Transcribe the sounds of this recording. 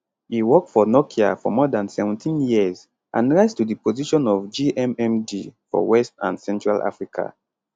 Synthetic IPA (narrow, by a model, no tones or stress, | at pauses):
hiwɔk̚tfɔnɔkʰia̰fɔ̰mɔdãnsɛvɛ̃ntʰĩnjiəz | ʔã̰nɹaɪstudipoziʃɔ̃nɔvd͡ʒiʔɛ̃mɛ̃mdifɔ̰wɛstã̰nsɛ̃ntɹalʔa̰fɹikʰa̰